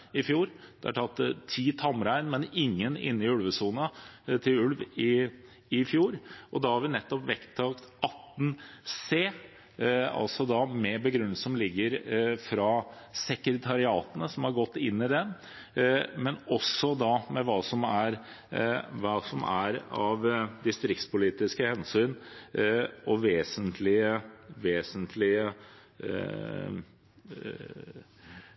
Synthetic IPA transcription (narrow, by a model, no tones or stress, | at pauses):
ɪfjuːɾd̪̥ɛæʈʰɑt̪ːt̪ʰiːt̪ʰɑmɾæɪnmɛnɪŋːənɪ̰nːɪʉlʋəsuːnət̪ʰɪlʉlʋɪ | ɪfjuːɾʔɔd̪ɑhɑɾʋɪnɛt̪ːɔpʋɛkt̪ʰːɑːkt̪ɑt̪ːn̩seː | ɑ̰lsɔd̪ɑːmɛbəɡɾʉnːsɔmlɪɡːəɾfɾɑ | sɛkɾət̪ʰɑɾɪɑːt̪ənəsɔmhɑɾɡɔt̪ːɪnːɪd̪ɛ | mɛnɔsːɔd̪ɑmɛʋɑːsɔmæɾ | ʋɑːsɔmæ̰ɾɑʋd̪ɪst̪ɾɪkt̪spʊliːt̪ɪskəhɛnsyːn | ɔʋeːsənt̪ʰlɪəʋeːsənt̪ʰlɪə